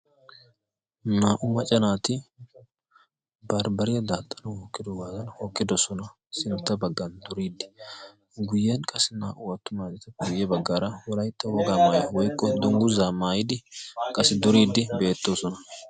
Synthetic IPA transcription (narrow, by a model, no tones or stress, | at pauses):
naːʔʊmɐt͡ʃʼɛnaːt̪ɪ | bɐɾbɐɾɪjɐd̪aːt̪ʼːɐnɐhoːkːɪd̪ɔɡaːzɐnhoːkʼːɪd̪ɔsɔnɐ | sɪnt̪ːɐbɐɡːɐnd̪ʊɾiːd̪ɪ̥ | ɡʊjːɛnkʼɐsɪnaːʔʊwɐt̪ːʊmaːt͡ʃʼɛt̪ɐɡʊjːɛbɐɡːaːɾɐwɔlɐjt̪ːɐwɔɡaːmaːjɐwɔjkʼːɔd̪ɔŋɡʊzaːmaːjɪd̪ɪkʼɐsɪd̪ʊɾiːd̪ɪbe̞ːt̪ːosɔnɐ